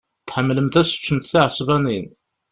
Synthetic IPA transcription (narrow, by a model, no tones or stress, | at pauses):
t̪ħəmːləmθæsə̥t͡ʃːəmt̪θiʕəsˤvænin